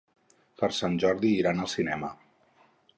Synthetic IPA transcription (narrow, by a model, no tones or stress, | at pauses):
pəɾsanʲʒɔɾðiːɾanəlˠsinɛmə